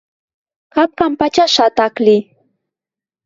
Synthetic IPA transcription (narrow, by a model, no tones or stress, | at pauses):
kap̚kampat͡ʃaʃat̪aklɪ